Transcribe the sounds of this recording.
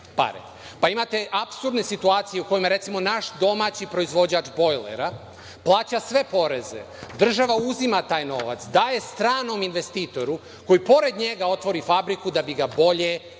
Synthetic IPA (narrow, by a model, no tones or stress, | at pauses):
pa̰ɾḛ | paimat̪e̞ʔapsuɾd̪ne̞sit̪uaːt̪sijeuko̞jimaɾe̞t̪simo̞naʃd̪o̞maːt͡ɕipɾo̞izʋo̞d͡ʑaːt͡ʃbo̞jlḛɾa | plˠaːt͡ɕasʋe̞po̞ɾeze̞̰ | d̪r̩ʒaʋauzimat̪aːjno̞ʋa̰t̪sd̪aːje̞st̪ɾaːno̞minʋe̞st̪iːt̪o̞ɾu | ko̞jipo̞ɾe̞d̪ɲe̞ɡao̞t̪ʋo̞ɾifabɾikud̪abiɡabo̞ʎe